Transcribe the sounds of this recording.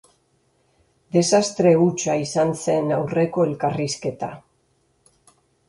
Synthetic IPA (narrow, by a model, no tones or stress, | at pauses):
d̪e̞sast̪ɾe̞ut͡ʃaisanse̞nawre̞ko̞e̞lkariske̞t̪a̰